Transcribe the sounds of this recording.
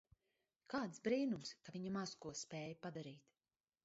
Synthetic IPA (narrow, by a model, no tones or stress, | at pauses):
kaːt̪sbɾiːnumskaviɲamazkuɔspʲɛːjapad̪aɾiːt̪